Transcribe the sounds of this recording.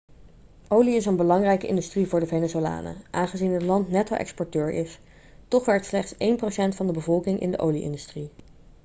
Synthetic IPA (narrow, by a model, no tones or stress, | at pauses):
ʔowliɪs̬ənbəlɑŋrɛjkəʔɪ̰ndystrivʊːɹdəvejnezola̰ːnə̰ʔaːnχəzinɦətlɑntnɛto̰ʔɛ̰kspɔɹtøːɹʔɪs | tɔχʋɛɹtslɛχtsejnprosɛntfɑndəbəvɔlˠkɪŋʔɪ̰ndəʔo̰wliʔɪ̰ndystri